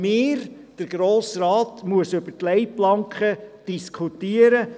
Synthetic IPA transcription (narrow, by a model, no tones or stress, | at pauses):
mɪːɾ | d̥əɾɡ̥ɾoːsɾɑːtmuəsʉb̥ətlɛjplɑŋkχəd̥iskʰχutiːəɾə